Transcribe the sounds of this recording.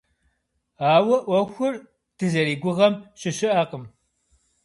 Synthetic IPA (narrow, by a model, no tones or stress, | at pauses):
aːwɐʔʷɐxʷʊr | d̥ɨzɐɾiːɡʷʊʁɐmɕɪɕɪʔaqəm